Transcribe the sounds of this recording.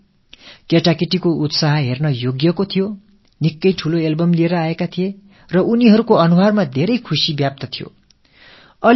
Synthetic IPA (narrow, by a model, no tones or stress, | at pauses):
keʈakiʈikout̪saɦʌɦernʌjoɡjʌkot̪ʰijo | nikːʌjʈʰuloelbʌmlieɾʌaekat̪ʰije | rʌuniɦʌɾukoʌnuɦarmad̪ʱeɾʌjkʰusibjap̚t̪ʌt̪ʰijo̰ | ʌl